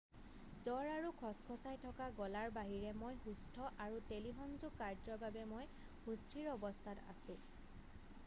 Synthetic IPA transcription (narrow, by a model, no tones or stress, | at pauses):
zɔɹaɹukʰɔskʰɔsajtʰɔkaɡɔlaɹbaɦiɹɛmojhustʰɔʔaɹuteliɦɔnzukaɹzɔbabɛmoj | hustʰiɹɔbɔstʰata̰sʊ̃